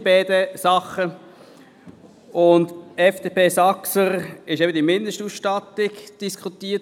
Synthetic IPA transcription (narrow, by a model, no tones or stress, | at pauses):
bɛːdəsɑχə | ʊndɛfd̥eːpʰeːsɑksəɾɪʃɛbədimɪndəʃtuːsʃtɑtɪɡd̥iskχut̪iːət